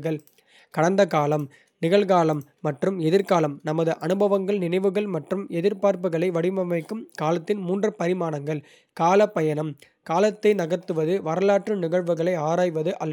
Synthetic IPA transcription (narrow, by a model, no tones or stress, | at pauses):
ɣɐɭ | kɐɽɐnd̪ɐkaːlɐm | nɪɣɐɭɣaːlɐmːɐʈrɯmɛðɪɾkaːlɐmnɐmɐðɯʔɐnɯbɐʋɐŋɡɐɭnɪnɐɪʋɯɣɐɭmɐʈrɯmɛðɪɾpaːɾp̬ɯɣɐɭɐɪʋɐɽɪmɐmɐɪkːɯmkaːlɐt̪ːɪnmuːndrɐpɐɾɪmaːnɐŋɡɐɭ | kaːlɐpːɐjɐnɐm | kaːlɐt̪ːɐɪnɐɣɐɾt̪ːɯʋɐðɯʋɐɾɐlaːʈrɯnɪɣɐɭʋɯɣɐɭɐɪaːɾaːjʋɐðɯʔɐlː